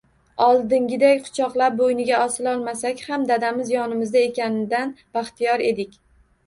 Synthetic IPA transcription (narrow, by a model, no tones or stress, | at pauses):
ɒlˠd̪ɪŋɡʲɪd̪akʲqʰʊ̥t͡ʃʰɒqlˠap̚bojnɪɡʲaʔɒsɪlɒlˠmasakʲhamd̪ad̪amɪzjɒnɪmɪzd̪ae̞kʲanɪd̪anb̥aχt̪ijɒɾe̞d̪ɪkʲ